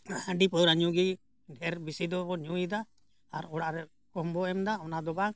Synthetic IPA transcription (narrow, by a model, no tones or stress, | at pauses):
aãɖipɔɾaɲuɡi | ɖʱɛɾbisid̪ɔɔɲujid̪a | aɾɔɽaʔɾɛ | kɔmbɔɛmd̪aɔnad̪ɔbaŋ